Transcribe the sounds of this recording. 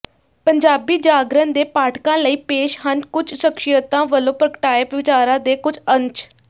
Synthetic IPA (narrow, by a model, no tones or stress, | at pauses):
pəɲd͡ʒaːbiːd͡ʒaːɡɾənd̪eːpaːʈʰkãːləiːpeːʃɦənkʊd͡ʒsəkʃɪjət̪ãːʋəlõːpɾəkəʈaːeːpʋɪt͡ʃaːɾãːd̪eːkʊd͡ʒəɲt͡ʃ